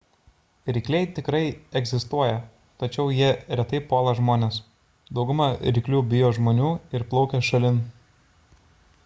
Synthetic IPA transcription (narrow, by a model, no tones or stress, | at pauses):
ɾʲɪkʲlʲɛɪt̪ʲɪkɾɐɪɛɡʲzʲɪst̪uɔjɛ | t̪ɐt͡ʃʲɛʊjiɛɾʲɛt̪ɐɪpoːlˠɐʒmoːnʲeːs | d̪ɒʊɡʊmɑɾʲɪkʲlʲuːbʲɪjoːʒmoːnʲuːɪɾplˠɒʊkʲɛːʃɐlʲɪn